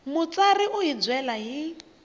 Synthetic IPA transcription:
mʊt͡sariʔʊɦid͡zwɛlaɦi

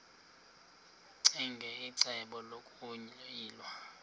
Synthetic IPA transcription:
ǀiŋɡʱɛiǀɛɓɔlokʼuɲiːlwa

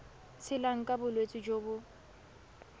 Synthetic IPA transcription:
t͡sʰɪlaŋ̩kʼabʊlwet͡sʼɪd͡ʒoːbʊ

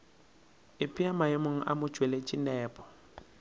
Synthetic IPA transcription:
ɪpʼiamaɪmʊŋ̩ʔa̰mʊ̥ʒ̥ʱwɛlet͡ʃʼinɛːpʼɔ̥

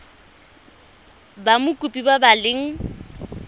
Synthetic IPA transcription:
bamʊkʼupʼibabalɪŋ̩

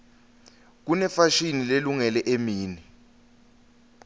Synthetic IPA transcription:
k̬unɛfaʃinileluŋɛlɛʔemiːni

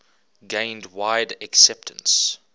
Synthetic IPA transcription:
ɡẽɪ̃ndwaɪdɛksɛp̚tʰə̃ns

